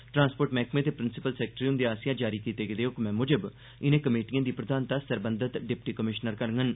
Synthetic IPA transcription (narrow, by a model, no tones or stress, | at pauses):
ʈɾãːnspoːʈmɛ̃ːkmẽːt̪eːpɾɪnsɪpəlsɛːk̚ʈɾiõnd̪iaːsɪjãːd͡ʒaːɾiːkiːt̪eːɡed̪eːʊkmɛ̃ːmʊd͡ʒəb | ɪnẽːkəmeːʈijãːd̪iːpɾəd̪aːnt̪aːsəɾbənd̪ət̪ɖɪp̚ʈiːkəmɪʃnəɾkəɾŋɡən